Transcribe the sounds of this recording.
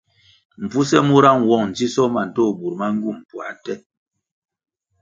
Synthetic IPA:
m̩˨fu˦sɛ˦mu˦ɾa˦ŋwɔ˦˨ŋn̩˨d͡ʒi˦sɔ˦ma˨n̩˨to˦˨bu˨ɾma˦ŋ̩˦ɡu˦˨m˨pwa˨tɛ˦

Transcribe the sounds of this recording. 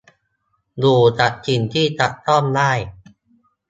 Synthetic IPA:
duː˧˩t͡ɕa˨˩t̪̚t͡ɕʰi˧nt̪ʰiː˥˩t͡ɕa˨˩ʔ̪t̪ɔ˥˩mlaː˥˩j

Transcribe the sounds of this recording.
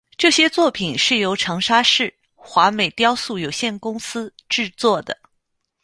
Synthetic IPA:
ʈ͡ʂɤ˥˩ɕjɛ˥t͡swɔ˥˩pʰi˨˩nʂɻ̩˥˩jo˧˥ʊʈ͡ʂʰɤ˧˥ŋʂa˥ʂɻ̩˥˩ | xwa˧˥me˨˩ɪt̪jɑ˥ʊsu˥˩jo˨˩ʊɕjɛ˥˩nkʊ˥ŋsɹ̩˥ʈ͡ʂɻ̩˥˧t͡swɔ˥˩d̪ə˩

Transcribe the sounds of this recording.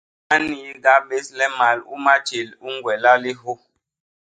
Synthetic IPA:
a˦ni˨˦ɡa˦ɓe˦slɛ˦ma˨lṵ˦ma˦t͡ʃe˨lu˦ŋ˦ɡwɛ˨la˦li˦ɦo˦

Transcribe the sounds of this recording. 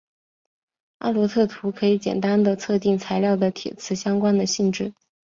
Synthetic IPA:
a̰˥˩lwɔ˧˥t̪ʰɤ˥˩t̪ʰu˧˥kʰɤ˧˥i˨˧˥t͡ɕjɛ̰˨˩nt̪a˥nd̪ə˨t͡sʰɤ˥˧t̪̬i˥˩ŋt͡sʰa˧˥ɪljɑ˥˩ʊd̪ə˩t̪ʰjɛ̰˨˩t͡sʰɹ̩˧˥ɕjɑ˥ŋkwa˥nd̪ə˨ɕi˥˧ŋʈ͡ʂɻ̩˥˩

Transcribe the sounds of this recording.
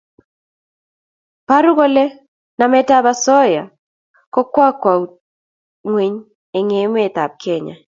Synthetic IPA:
pa˦ɾu˦ɣo˦le˦ | na˨mɛ˦ta˦ba˦sɔ˦ja̰˨ | kɔ˦kwa˦kwa˨u˨ | ŋwe˨ɲ | e˨ŋe˨˦m˦e˨t̪a̰˨b̚kʰe˦˨ɲa̰˨

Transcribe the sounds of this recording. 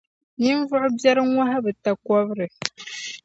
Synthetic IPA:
ɲi˦n˦vʊ˦ʔʊ˦bjɛ˦ɾɨ˦ŋʷa˦ɦa˦bɨ˨ta˨kɔ˦bɨ˦ɾɨ˨

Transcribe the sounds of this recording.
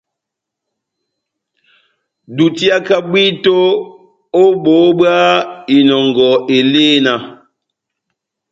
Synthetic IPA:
du˨ti˦a˦ka˦ɓi˦to˦ | o˦ɓo˨˦ɓɰa˦i˨nɔ˨ŋɡɔ˨e˨leː˦na˨

